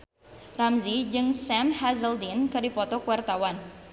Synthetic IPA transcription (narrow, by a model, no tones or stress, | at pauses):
ramzid͡ʒɨŋsɛmhazəldinkərdipɔt̪ɔkuwart̪awan